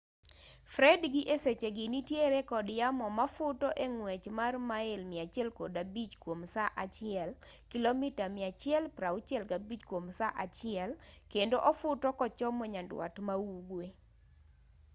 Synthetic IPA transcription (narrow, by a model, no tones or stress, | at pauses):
fɾɛdɡɪʔeset͡ʃeɡɪnitjeɾekɔdjamɔmafʊtɔʔeŋwɛt͡ʃmarmaɪlmɪat͡ʃɪɛlkodabit͡ʃkwomsaʔat͡ʃɪɛlkilomitamɪat͡ʃɪɛlpɾaʊt͡ʃɛlɡabit͡ʃkwomsaʔat͡ʃɪɛlkendoʔɔfʊtɔkɔt͡ʃɔmɔɲandwa̰tmawuɡwe